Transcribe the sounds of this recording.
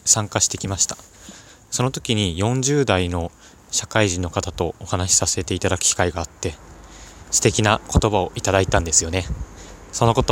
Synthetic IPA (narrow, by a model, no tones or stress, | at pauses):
sãŋkaɕi̥t̪e̞kʲimaɕi̥t̪ḁ | so̞no̞t̪o̞kʲiɲ̟ijõ̞ɲ̟d͡ʑɨːd̪aino̞ | ɕakaiʑĩnːo̞kat̪at̪o̞ːhanaɕi̥sase̞t̪e̞it̪ad̪akɯ̟̥kʲi̥kaiɡaːt̪ːe̞ | sɨ̥t̪e̞kʲinako̞t̪o̞bao̞ʔit̪ad̪ait̪ãnd̪e̞sɨjo̞ne̞so̞no̞kot̪o